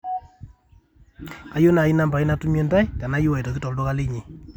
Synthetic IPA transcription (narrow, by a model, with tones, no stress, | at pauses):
a˦jo˦na˨i˦na˦mba˨i˦na˦tu˦mje˦nda˦jta˨na˨˦ju˦wa˨tɔ˨ki˦tɔ˨ldo˦ka˦le˦ɲe˨